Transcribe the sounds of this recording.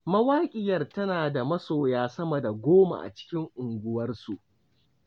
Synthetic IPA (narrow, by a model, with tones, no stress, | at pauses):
mɐ˦waː˦kʲʼɪ˨jɐ˨rtɐ˦naː˨da˨mɐ˦soː˨jaː˦sɐ˦mɐ˨da˨ɡʷoː˦ma̰˨ʔa̰˨t͡ʃɪ̥˦kʲɪ˦ŋʔʊ˨ŋɡʷʊ˦wɐ˦rsu˨ʔ